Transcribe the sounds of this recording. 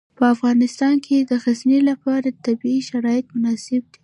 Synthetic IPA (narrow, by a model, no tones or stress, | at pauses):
pəafɣɑnɪst̪ɑnkʰed̪əxaznelapɑɾat̪abiiʃaɾɑjɪt̪mʊnɑsɪbd̪i